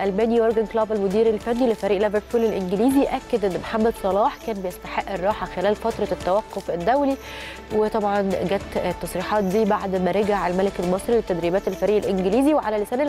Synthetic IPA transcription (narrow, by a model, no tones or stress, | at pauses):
ʔælmæːniwoɾɡænklɑːbælmod̪iːɾelfænːilefæɾiːʔlæbeɾkuːlelʔenɡɪliːziʔækːed̪ʔenːmħamːæd̪sˤɑlɑːħkæːnbejest̪aħeʔːerˤːɑːħɑxelæːlfɑt̪ɾˤɑt̪ːæwæqːofʔed̪ːæwli | wet̪ˤɑbʕɑnɡæːt̪t̪ːɑsˤɾiːħɑːt̪̚d̪iːbaʕd̪mæɾeɡaʕalmælekælmɑsˤɾiwet̪ːæd̪ɾiːbæːt̪elfæɾiːʔelʔenɡeliːziweʕalælesæːnel